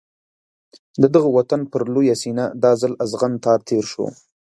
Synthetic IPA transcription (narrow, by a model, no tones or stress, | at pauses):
d̪əd̪əɣəwat̪anpəɾlojasinad̪ɑzalazɣant̪ɑɾt̪ʰeɾʃo̰